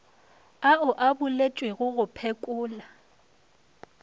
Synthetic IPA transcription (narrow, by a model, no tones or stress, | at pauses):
aʊʔabʊlet͡ʃʼwɪɣʊɣʊpʰekʼʊːla